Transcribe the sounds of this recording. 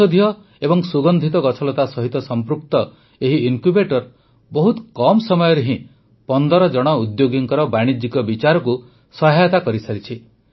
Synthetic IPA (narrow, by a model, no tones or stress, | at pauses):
od̪ʱijɔ | ebɔŋsuɡɔnd̪ʱit̪ɔɡɔt͡ʃʰɔlɔt̪asɔɦit̪ɔsɔmpɾukt̪ɔ | eɦiiŋkubeʈɔɾ | bɔɦut̪kɔmɔsɔmɔjɔɾeɦĩ | pɔnd̪ɔɾɔd͡ʒɔɽ̃ɔud̪joɡiŋkɔɾɔbaɽ̃id͡ʒikɔbit͡ʃaɾɔku | sɔɦajɔt̪akɔɾisaɾit͡ʃʰi